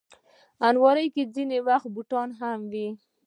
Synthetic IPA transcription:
anwɑɾəjked͡zinewaxt̪̚buʈɑnɦamwi

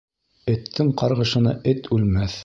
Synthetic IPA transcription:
ɘ̆t̪ʰːɘŋqɑɾʁɤ̆ʃɤ̆nɑ̰ʔɘt̪ʉlmæθ

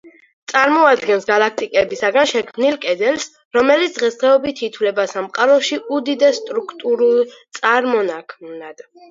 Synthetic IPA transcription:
t̪sʼaɾmɔad̪ɡɛnsɡalak̚ʰt̪ʼikʼɛbisaɡanʃɛkʰmnilkʼɛd̪ɛls | ɾɔmɛlit̪sd̪ʁɛsd̪ʁɛɔbit̪ʰit̪ʰwlɛbasamqʼaɾɔʃiud̪id̪ɛsːt̪ʼɾukʰt̪ʼuɾulˠt̪sʼaɾmɔnakʰmnad̪̥

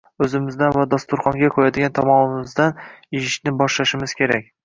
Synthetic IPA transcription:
ɵzɪmɪzd̪anvad̪ast̪ʊɾχɒŋɡʲakʰɵɾad̪ɪɡʲant̪ʰɒmɒmɪmɪzd̪anɪjɪʃnɪbɒʃlaʃɪmɪz̥kʲʰe̞ɾak̚ʲ

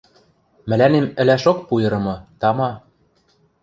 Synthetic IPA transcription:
mɘ̆lænemɘ̆læʃok̚pujɤ̆ɾɤ̆mɤ̆t̪ɑmɑ

